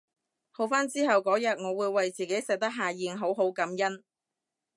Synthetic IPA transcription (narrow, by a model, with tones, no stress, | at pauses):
ho˨˩wfaː˥nt͡siː˥ɦɐ˨wkɔː˨˥jɐ˨t̚ŋɔː˨˧wuː˨˧jwɐ˨jt͡siː˨˩ke˨˥jsɛ˨˩k̚t̪ɐ˥k̚ɦaː˨jiː˨˧nɦo˨˥wɦo˨˥wkɐ˨˥mjɐ˥n